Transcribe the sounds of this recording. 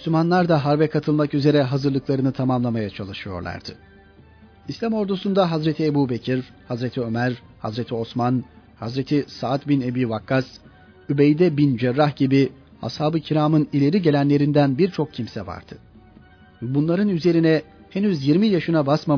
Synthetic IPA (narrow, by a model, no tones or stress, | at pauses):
myslʲymanlˠaɾd̪aɦaɾbɛkʰat̪ʰɯlˠmakyze̞ɾɛɦazɯɾlˠɯklˠaɾɯnɯt̪ʰamamlˠamajat͡ʃʰalˠɯʃɯjo̞̰ɾlˠa̰ɾd̪̥ɯ | islʲamo̞ɾd̪usund̪aɦazɾet̪ʰiebuːbecʰiɾ | hazɾet̪ʰiø̞mæɾ | ha̰zɾe̞t̪ʰio̞smanhazɾet̪ʰisaːt̪binebiːvakʰːas | ybejd̪ɛbind͡ʒɛɾːahɟibi | ha̰shaːbɯcʰiɾaːmɯnilʲe̞ɾiɟe̞lʲænlʲe̞ɾind̪ænbiɾt͡ʃʰo̞k̚cʰimsɛva̰ɾd̪̥ɯ | bunlˠaɾɯnyze̞ɾinɛ | henyzjiɾmijaʃɯnabasma